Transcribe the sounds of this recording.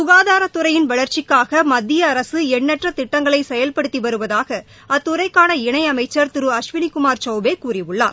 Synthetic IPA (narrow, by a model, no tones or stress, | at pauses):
sʊɣaːðaːɾɐt̪ːʊɾɐjɪnʋɐɭɐɾt͡ʃɪkːaːɣɐmɐd̪ːɪjɐːɾɐsɯɛɳːɛʈrɐt̪ɪʈːɐŋɡɐɭɐɪsɛjɐlpɐɽɯt̪ːiʋɐɾɯʋɐðaːɣɐ | ɐt̪ːʊrɐɪkːaːnɐɪɳɐɪɐmɐɪt͡ʃːɐɾt̪ɪɾɯɐʂʋɪnikʊmaːɾt͡ʃɐʊbeːkuːrɪʋɯɭːaː